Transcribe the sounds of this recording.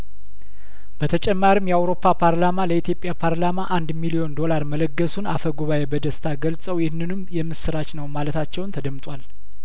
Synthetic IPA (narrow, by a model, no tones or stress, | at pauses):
bət̪ʰət͡ʃʼɛmːaɾimjɛawɾo̞pʰːapʰaɾlamaləit̪jopʼjapʰaɾlamaʔand̪milio̞nd̪o̞laɾmələɡːəsunafəɡuβaebəd̪əst̪ʰaɡəlsʼəwjɪhnːɨnɨmjɛmːɨsɨɾat͡ʃnəwmalət̪ʰat͡ʃːɛwnt̪ʰəd̪əmt̪ʼwal